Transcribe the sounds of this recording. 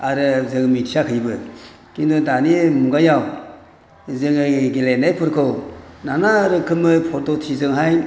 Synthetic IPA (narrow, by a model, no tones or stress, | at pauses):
aɾɯzɯŋmitʰijakʰɯjbɯ | kindudanimuɡajaw | zɯŋɯɡelenajpʰɯɾkʰɯwnanaɾɯkʰɯmɯpʰɔɾtotʰizɯŋɦaj